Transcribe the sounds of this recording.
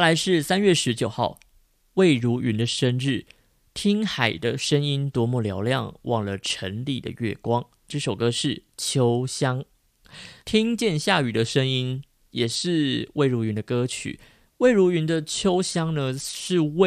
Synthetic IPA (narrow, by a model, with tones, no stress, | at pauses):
la˨˧˥ɪʂɻ̩˥˩sa˥nɥɛ˥˩ʂɻ̩˧˥t͡ɕjo˨˩ʊxɑ˥˩ʊ | we˥˩ɪɻu˧˥ʔy˧˥nd̪ə˨ʂə˥nɻɻ̩˥˩ | t̪ʰi˥ŋxa˨˩ɪd̪ə˦ʂə˥ŋi˦nt̪wɔ˧˥mu˥˩ljɑ˧˥ʊljɑ̰˥˨˧ŋwʔɑ˥˩ŋlə˩ʈ͡ʂʰə˧˥nli˨˩d̪ə̰˨ɥɛ̰˥˩kwɑ˥ŋ | ʈ͡ʂɤ˥˩ʂo˨˩ʊkɤ˥ʂɻ̩˥˩t͡ɕʰjo˥ʊɕjɑ˥ŋ | t̪ʰi˥ŋt͡ɕjɛ˥˧nɕja˥˩y˨˩d̪ə˦ʂə˥ŋi˥n | jɛ˨˩ʂɻ̩˥˧we˥˩ɪɻu˧˥y˧˥nd̪ə˧kɤ˥t͡ɕʰy̰˨˩˦ | we˥˩ɪɻu˧˥y˧˥nd̪ə˧t͡ɕʰjo˥ʊɕjɑ˥ŋnə˧ʂɻ̩˥˧we˥˧